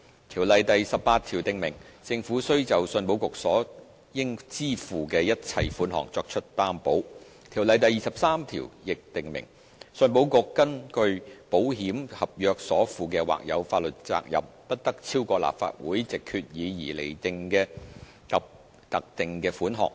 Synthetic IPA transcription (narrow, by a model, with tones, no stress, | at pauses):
t̪ʰiː˨˩wlɐ˨jt̪ɐ˨jsɐ˨ppaː˧t̚t̪ʰiː˨˩wt̪ɪ˨ŋmɪ˨˩ŋt͡sɪ˧ŋfuː˨˥sɵ˥ɥt͡sɐ˨wsɵ˧npo˨˥wkʊ˨k̚sɔː˨˥ | jɪ˥ŋt͡siː˥fuː˨˩kɛː˧jɐ˥t̚t͡sʰɐ˧jfuː˨˥nɦɔ̰ː˨˩ŋt͡sɔː˧k̚t͡ʃʰɵ˥t̚t̪aː˥mpo˨˥w | t̪ʰiː˨˩wlɐ˨jt̪ɐ˨jːiː˨˩sɐ˨p̚saː˥mt̪ʰḭː˨˩wjɪ˨k̚t̪ɪ˨ŋmɪ̰˨˩ŋ | sɵ˧npo˨˥wkʊ˨kːɐ˥nkɵ˧ɥpo˨˥wɦiː˨˥mhɐ˨p̚jœː˨˧k̚sɔː˨˥fuː˨˩k̬ɛː˧wa̰ː˨k̚jɐ̰˨˧wfaː˧t̚lɵ˨t̚t͡sa̰ː˧k̚jɐ̰˨p̚pɐ˥t̚t̪ɐ˥k̚t͡sʰiː˥wkʷɔː˧la̰ː˨p̚fa̰ː˧t̚wuː˨˥jt͡sɪ˨kʰːyː˧t̚jiː˨˧jiː˨˩lḛ˨˩jt̪ɪ˨ŋkɛː˧ | kɐ˨p̚ | t̪ɐ˨k̚t̪ɪ˨ŋkɛː˧fuː˨˥nɦɔ̰ː˨˩ŋ̚